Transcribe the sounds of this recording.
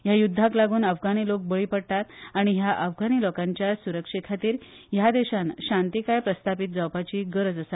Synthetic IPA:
jajud̪ʱːaklaɡuːnəfɡañilok̚bəɭiːpəɽt̪at̪aɽ̃iɦjaʔəfɡaɽ̃ilɔkaɲt͡ɕjasuɾəkʂekʰat̪iːɾ | jad̪eɕanɕãnt̪ikajpɾəst̪ʰapit̪̚d͡zawpat͡ɕiːɡəɾəd͡zəsat̪

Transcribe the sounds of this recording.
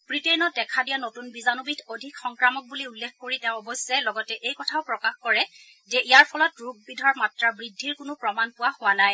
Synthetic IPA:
b̥ɹitenɔt̚dɛkʰadijanotunbizanubitodʱikxɔŋkɹamɔk̚buliulːekʰkoɹitɛ̃ʊ̃ɔbɔsːɛlɔɡɔtɛʔejkɔtʰaʊpɹɔkaxkɔɹɛ | zɛʔijaɹpʰɔlɔtɹuɡ̚bidʱɔɹmatɹabɹidʱːiɹkʊnʊpɹɔmanpʊwahʊwanaj

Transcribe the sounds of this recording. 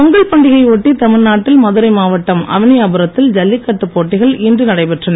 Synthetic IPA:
ɐŋɡɐɭpɐɳɖɪɣɐɪoʈːit̪ɐmɪɾnaːʈːɪlmɐðɯɾɐɪmaːʋɐʈːɐmɐ̰ʋɐnɪjaːbɐɾɐt̪ːɪld͡ʒɐlːɪkːɐʈːɯpːoːʈːɪɣɐɭɪndrɯnɐɽɐɪpɛʈrɐnɐ

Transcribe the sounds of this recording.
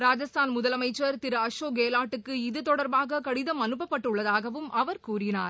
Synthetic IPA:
ɾaːd͡ʒɐst̪ʰaːnmʊðɐlɐmɐɪt͡ʃːɐɾt̪ɪɾɐɐʂoːɡeːlaːʈːɯkːɯɪðɯt̪ɔɽɐɾbaːɣɐkɐɽɪðɐmɐnɯp̬ːɐpːɐʈːɯɭːɐðaːɣɐʋɯmʔɐʋɐɾkuːrɪnaːɾ

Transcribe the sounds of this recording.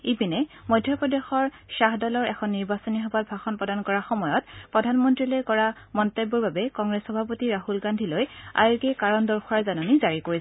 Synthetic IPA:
ipinɛmɔjdʱːjɔpɹɔdexɔɹʃaɦdɔlɔɹʔɛxʰɔnːiɹbasɔniɦɔbat̚bʱaxɔnpɹɔdankɔɹaxɔmɔjɔtpɹɔdʱanmɔntɹilojkɔɹa | mɔntebːɔɹbabɛkɔŋɹesxɔbʱapotiɹaɦulɡandʱiloja̰jkɛkaɹɔndɔɹxʰuaɹzananizaɹikoɹis

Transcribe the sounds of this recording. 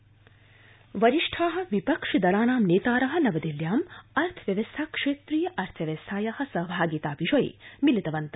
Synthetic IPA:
ʋɐɾiʂʈʰaːɦɐ̆ʋipɐkʂɐd̪ɐlaːnaːmneːt̪aːɾɐɦɐ̆nɐʋɐd̪iljaːmɐɾt̪ʰɐʋjɐʋɐst̪ʰaːkʂeːt̪ɾijɐʔɐɾt̪ʰɐʋɐst̪ʰaːjɐhɐ̆sɐɦbʱaːɡit̪aːʋiʒɐj̰milit̪ɐʋɐnt̪ɐ

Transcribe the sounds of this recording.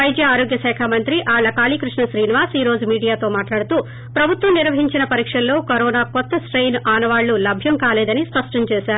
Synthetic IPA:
ɐjd͡ʒjɐaːɾoːɡjɐsɛːkʰaːmɐnt̪ɾiʔaːɐkaːliːkɾuʂɳɐʃɾiːniʋaːsiːɾo̞ːd͡ʒumiːɽijaːt̪o̞ːmaːʈlaːɽut̪uː | pɾɐbʱut̪ʋɐmniɾʋɐɦiɲt͡ʃinɐpɐɾiːkʂɐllo̞ːkɐɾoːnaːkɔt̪ːɐsʈɾejnaːnɐʋaːɭːulɐbʱjɐmkaːlɛːd̪ɐnispɐʂʈɐmt͡ʃeːʃaːɾu

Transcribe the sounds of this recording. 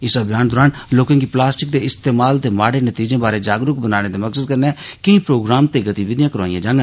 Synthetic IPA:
ɪsəbʱjaːnd̪oːɾaːnloːkẽkiplaːsʈɪk̚d̪eɪst̪eːmaːlt̪emaːɽenət̪iːd͡ʒẽbaːɾed͡ʒaːɡɾʊk̚bənaːnet̪emɐksəd̪̚kəɾneɛkɐĩpɾoːɡɾaːmt̪eɡət̪iʋɪd̪ijãkəɾʋa̰ːijãd͡ʒãːŋɡə

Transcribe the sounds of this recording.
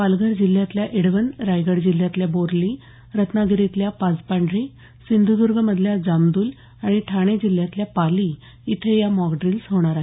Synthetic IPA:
palɡəɾd͡ʑilːjat̪ljaʔeɽʋənɾajɡəɽd͡ʑiljat̪ljaboɾli | ɾət̪naɡiɾet̪ljapad͡zpaɳɖɾi | sind̪ʱud̪uɾɡʱəməd̪ʱljad͡zamd̪uːl | aɽ̃iʈʰaɽ̃ed͡ʑilːjat̪ljapaliː | t̪ʰejamɔɡɖɾilsɦoɽ̃aɾaɦ

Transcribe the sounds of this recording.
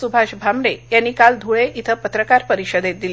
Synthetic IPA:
subʱaɕbʱamɽejanːikald̪ʱuɭeʔit̪ʰəpət̪ɾəkaɾpəɾiɕəd̪et̪̚d̪ile

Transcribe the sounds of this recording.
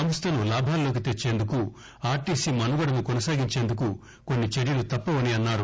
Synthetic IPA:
ɐmɐst̪ɐnulaːbʱaːllo̞ːk̬it̪e̞t͡ʃːe̞ːnd̪uku | aːɾʈiːsiːmɐnuɡɐɽɐnikonɐsaːɡiɲt͡ʃe̞ːnd̪uku | ko̞nːit͡ʃeɾjɐlut̪ɐpːɐʋɐniɐnːaːɾu

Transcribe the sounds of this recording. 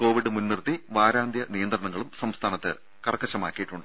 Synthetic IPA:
ko̞ːʋiɖɨmunːirt̪ːiʋaːɾaːnd̪ʱjɐnijɐnd̪rɐɳɐŋːɐɭumsɐmst̪ʰaːnɐt̪ːɨ̰ | kɐrɐkːɐɕɐma̰ːkʲːijiʈːuɳɖɨ

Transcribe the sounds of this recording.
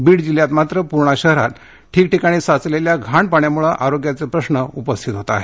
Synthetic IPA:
biːɽd͡ʑiljat̪mat̪ɾəpuɾɳ̃aɕəɦɾa̰t̪ | ʈʰiːkʈikaɽ̃iːsat͡sleljaɡʱaɳpaɳjamuɭaʔaɾoɡjat͡sepɾəɕɳəupəst̪ʰit̪ɦot̪aa̰ɦe

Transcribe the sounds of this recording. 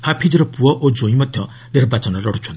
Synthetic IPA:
hapʰid͡ʒɔɾɔpuɔʔod͡ʒoĩmɔd̪ʱjɔ | niɾbat͡ʃɔnɔlɔɽ̤ut͡ʃʰɔnt̪i

